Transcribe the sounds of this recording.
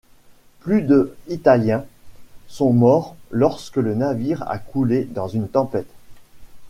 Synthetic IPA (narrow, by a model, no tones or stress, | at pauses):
plyd̪əit̪aljɛ̃sɔ̃mɔʁlɔʁskələnaviʁa̰kʰuled̪ɑ̃zynt̪ɑ̃pɛt̪